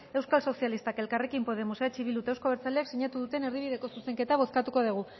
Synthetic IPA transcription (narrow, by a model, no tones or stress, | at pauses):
e̞wskalso̞sialist̪ake̞lkare̞kimpo̞ð̞e̞mosat͡ʃiβilut̪aewsko̞βeɾt͡saleaksiɲat̪uðut̪e̞ne̞ɾðiβiðe̞ko̞suse̞ŋke̞t̪aβ̞o̞skat̪ukoð̞iɣ̞u